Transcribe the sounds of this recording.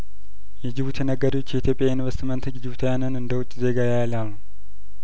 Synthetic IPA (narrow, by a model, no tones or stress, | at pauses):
jɛd͡ʒɪβut̪ʰjɛnəɡːəd̪iwot͡ʃːjɛit̪jo̞pʼjainvəst̪imənt̪ʰɨd͡ʒd͡ʒɪβut̪ʰjanɨnɨnd̪əwʊt͡ʃʼːze̞ɡajajlalːu